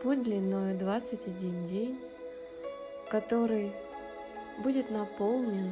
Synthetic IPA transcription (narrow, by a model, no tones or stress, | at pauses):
pud̪lʲɪnːojʊd̪vat̪sɨtʲɐdʲindʲenʲ | kɐt̪oɾɨj | budʲɪt̪nɐpolˠnʲɨ